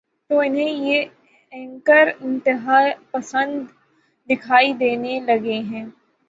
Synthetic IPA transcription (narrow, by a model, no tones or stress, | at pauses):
t̪oɪnɦẽje | ɛ̃ŋkəɾɪ̃nt̪ɪɦaːepɐsə̃nd̪ː | ɪkʰaːid̪eːnelɐɡeɦɛ̃ː